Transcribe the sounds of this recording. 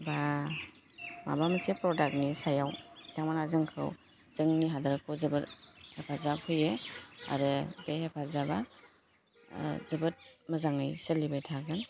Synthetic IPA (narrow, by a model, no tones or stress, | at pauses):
ba | ma̰bamasepɾɔdak̚nisajawtʰaŋmanazɯŋkʰɯ̰w | z̥ɯŋniɦadaɾɯkʰɔwzɯbɯthepʰazakʰɯjea̰ɾɯbehepʰazaba | zɯbɯt̚məzaŋɯjsəlibajtʰaɡɯn